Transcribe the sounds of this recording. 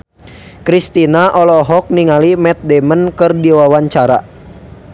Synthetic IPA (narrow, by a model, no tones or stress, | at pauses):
kɾist̪inaʔɔlɔɦɔk̚niŋalimɛt̪̚dɛmənkɨrdiwawaɲt͡ʃaɾa̰